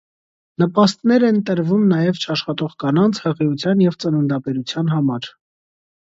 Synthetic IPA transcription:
nəpɑst̪nɛɾɛnt̪əɾvumnɑjɛvt͡ʃʰɑʃχɑt̪ɔʁkɑnɑnt͡sʰhəʁiut͡sʰjɑnjɛvt͡sənund̪ɑpɛɾut͡sʰjɑnɦɑmɑɾ

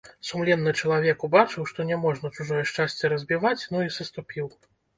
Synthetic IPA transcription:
sumlʲɛnːɨt͡ʂɐlˠavʲɛkubat͡ʂɨwʂt̪ɔnʲɛmɔʐnɐt͡ʂuʐɔjɛʂt͡ʂasʲt͡sʲːɛɾɐzʲbʲivat͡sʲnuisɐst̪upʲiw

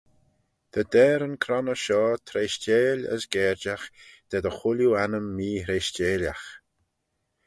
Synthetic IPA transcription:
d̪̥əd̪ɛːɾənkʰɾɔnəʃɔːt̪ʰɾeːʃt͡ʃeːlə̰sɡɛːɾd͡ʒaxd̪̥ɛd̪əxʊljuanəmːiːɾeʃt͡ʃeːlʲax

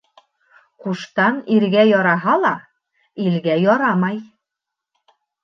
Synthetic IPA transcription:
quʃt̪ɑniɾɡæjɒɾɑɦɑlˠɑ | ilɡæjɒɾɑmɑj

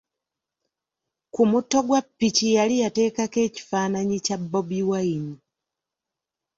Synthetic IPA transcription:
kumutːo̞ɡwapːicijalijate̞ːkake̞ːci̥faːnaɲicabːobiwaini

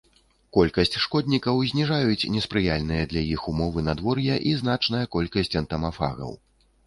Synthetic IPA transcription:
kɔlʲkɐsʲt͡sʲʂkɔd̪ʲnʲikɐwzʲnʲiʐajut͡sʲnʲɛspɾɨjalʲnɨjɐd̪lʲɐjixumɔvɨnad̪vɔrjɐʔiznat͡ʂnɐjɐkɔlʲkɐsʲt͡sʲɐnt̪ɐmafa̰ɣɐ̰w

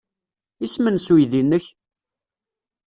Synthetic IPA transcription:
ismənsujðinːəç

